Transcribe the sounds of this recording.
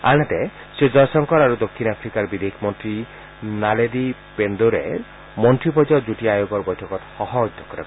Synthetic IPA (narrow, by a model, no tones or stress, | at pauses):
anat̪e | sed͡ʒɔjsɔŋkɔɾaɾud̪okʰːinapʰɾikaɾbid̪eikʰmɔnt̪ɾi | naledipend̪oɾḛɾ | mɔnt̪ɾipɔd͡ʒɔd͡ʒuʈiajoɡɔɾbɔjʈʰɔkɔt̪hɔɦɔd͡ʒd̪ʱɔkɔɾa̰